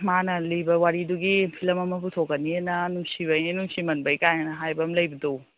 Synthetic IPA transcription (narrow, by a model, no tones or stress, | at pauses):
manɐlijbɐwaɾiduɡipʰilɐmɐmɐpʰutʰokːɐnienɐnuŋsiβɐjinuŋsimɐnbɐjkajɐnɐɦajbɐmlɐjbɐdo